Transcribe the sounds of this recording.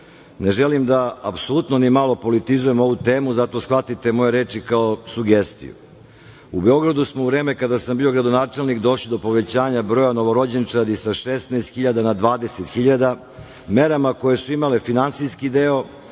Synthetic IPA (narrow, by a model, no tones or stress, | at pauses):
ne̞ʒelimd̪aapso̞lˠut̪no̞nimalo̞po̞lit̪izuje̞mo̞ʋut̪eːmuzat̪o̞sxʋat̪it̪e̞mo̞jeɾe̞ːt͡ʃikaosuɡe̞st̪ḭjṵ | ubeo̞ɡɾad̪usmouvɾe̞ːmekad̪asambiːo̞ɡɾad̪o̞naːt͡ʃe̞lˠnikd̪o̞ʃlid̪o̞po̞ʋe̞t͡ɕaːɲabɾo̞jano̞ʋo̞ɾo̞d͡ʑent͡ʃad̪isaʃest̪nɛːst̪xiʎad̪anad̪ʋaːd̪e̞set̪xiʎad̪a | me̞ɾamako̞je̞suimale̞finansiskid̪eo̞